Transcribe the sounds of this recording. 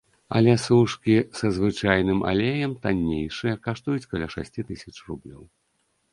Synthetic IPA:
ɐ̰lʲɛsuʂkʲisɐzvɨt͡ʂajn̪ɨmʔa̰lʲejɐmt̪anʲːejʂɨjɐkaʂt̪ujut͡sʲkɐlʲaʂa̰sʲt͡sʲit̪ɨsʲɐt͡ʂrublʲɔ̰w

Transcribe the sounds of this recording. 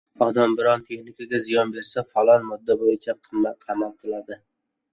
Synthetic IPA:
ɒd̪ambɪɾɒnt̪ʰe̞χnɪkʲaɡʲazɪjɒnbe̞ɾsafalˠɒnmʊd̪ːabojɪt͡ʃʰaqʰɨmːaqʰɑmalˠt̪ʰɪlad̪ɪ

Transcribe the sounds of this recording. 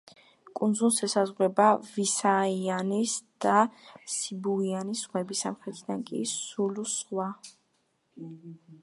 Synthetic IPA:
kʼund̪zunsɛsazʁwɛbavisaianisd̪̥asibuianisʁwɛbisa̰mχɾɛt̪ʰid̪ankʼḭsulusχwa

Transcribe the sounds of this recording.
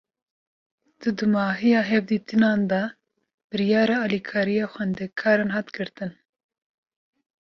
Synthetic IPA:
d̪̥ɨd̪ɨmɑːɦijɑːɦɛvd̪iːt̪ɨnɑːnd̪ɑ | b̥ɨɾijɑːɾɑːɑːlikʰɑːɾijɑːxʷɛnd̪ɛkʰɑːɾenɦɑːt̪ɡɨɾt̪ɨn

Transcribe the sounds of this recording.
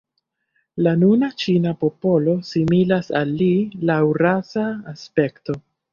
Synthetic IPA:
lanunat͡ʃinapo̞po̞lo̞similasa̰lːilawɾasaːspe̞kto̞

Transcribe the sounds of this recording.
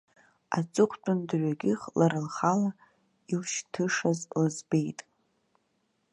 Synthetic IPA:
a̰t͡sʼɨχʷʰt͡pʼʊndʕʷɥaɡʲɪχlaɾɨlχala | ilʃtʰɨʂazlɨzbe̞jtʼ

